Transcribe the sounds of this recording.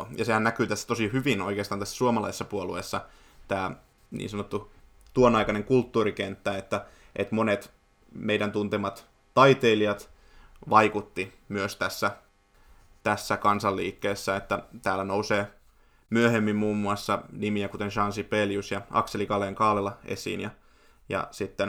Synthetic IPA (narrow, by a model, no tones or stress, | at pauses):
jɑsehænnækyːt̪æsːæ̥t̪osihyʋino̰ikeɑːst̪ɑnt̪æsːsuomɑlɑisesːɑpuoluesːɑ | t̪æː | nḭːnsɑnot̪ːu | t̪uonɑikɑneŋkult̪ːuːrikent̪ːæet̪ːæ | ʔḛt̪monet̪ | meidænt̪unt̪emɑt̪ | t̪ɑit̪eiliɑt̪ | ʋɑikut̪ːi | myøst̪æsːæ | t̪æsːækɑnsɑlːiːkːeːsːæet̪ːæt̪æːlːænouseː | myøhemːimmuːmːuɑsːɑnimiækut̪enʃɑnsipeljusjɑʔɑ̰kselikɑleːŋkɑːlelɑḛsḭːnjɑ | jɑ̰sit̪ːen